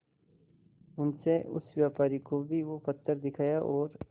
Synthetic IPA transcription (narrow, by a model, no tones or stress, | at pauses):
ʊnseʊ̰sʋjaːpaːɾikobʱiʋopɐt̪ːəɾd̪ɪkʰaːjaʔɔːɾ